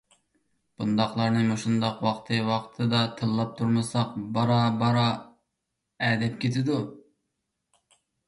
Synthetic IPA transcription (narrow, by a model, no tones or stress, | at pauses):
b̥und̪ɑχlˠɑɾnɨmoʃund̪ɑqwɑχt̪ʰɨwɑqt̪ʰɨd̪ɑt̪ʰɨlˠːɑp̚t̪ʰuɾmɨsɑq̚bɑɾɑbɑɾɑ | ɛd̪ɛp̚kʲʰet̪ʰɪd̪u